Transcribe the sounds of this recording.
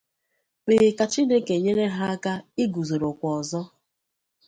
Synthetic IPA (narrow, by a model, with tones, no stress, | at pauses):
k͡pe˨ɣɪ˨ka˨t͡ʃi˦de˦ke˨ɲe˦ɾe˦ɦa˦a˦ka˦ɪ˦ɡu˨zo˨ɾo˨kʷɔ˨zɔ˦